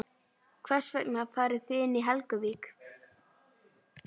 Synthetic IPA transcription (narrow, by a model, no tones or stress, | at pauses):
kʰvɛr̥svɛknafaːɾɪθɪɪnːiɦɛlkʏviːk